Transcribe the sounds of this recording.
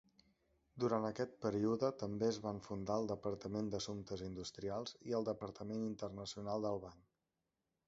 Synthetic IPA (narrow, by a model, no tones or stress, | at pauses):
d̪uɾant̪əkɛt̪̚pəɾiuðət̪əmbeəzβaɱfund̪aəlˠd̪əpəɾt̪əmend̪əsumt̪əzind̪ust̪ɾialˠziəlˠd̪əpəɾt̪əmenint̪ərnəsiunalˠd̪əlˠβaŋ